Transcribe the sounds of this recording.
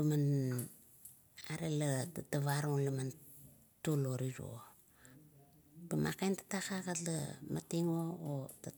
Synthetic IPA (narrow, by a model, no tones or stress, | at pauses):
pəman | aɾelətataβaɾoŋləman | tuloɾiɾo̰ | pəmʔa̰kajntḁtakakalə̰matiŋoota